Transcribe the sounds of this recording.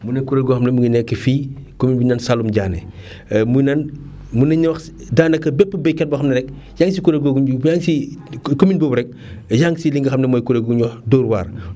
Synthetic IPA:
munekuɾeɡɔxɐmnemuɡinɛkːəfiːkominbiɲansalumɟaːnḛ | munan | munɐɲɐwɐx | daːnɐkːɐbɛpːbɛkɐt̚bɐxɐmnɐɾɛk̚ | jaŋsikuɾeɡoɡujaŋsikominbobɾɛk̚ | jaŋsiliŋɡɐxɐmnemoːjkuɾeɡuɲɔxdoːɾwa̰ːɾ

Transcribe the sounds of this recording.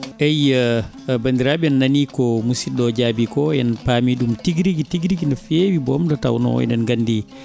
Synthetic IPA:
ɛjə | bandiɾabiɛnːanikɔmusiɗɔd͡ʒabikɔjɛnpaːmiɗumtiɡɾiɡitiɡɾiɡinɔfeːwibɔmdɔta̰wnɔ̰ɛ̰nɛnɡanːdi

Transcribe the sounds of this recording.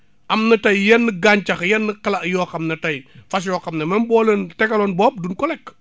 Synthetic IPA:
ɐmnɐtɐjjɛnːəɡaɲt͡ʃɐxjɛnːəkɐlɐʔjɔːxɐmnɐtɐjfɐs̬jɔːkɐmnɐmɐnbɔːlɛntɛkɐlɔnbɔp̚dunkɔlɛkː

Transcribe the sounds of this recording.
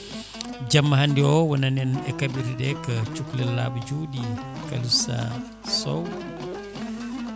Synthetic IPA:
d͡ʒamːaɦandiɔwananɛnɛkabiɾidɛkət͡ʃuklɛla̰ːbud͡ʒudika̰lusa̰ | sɔ̰w

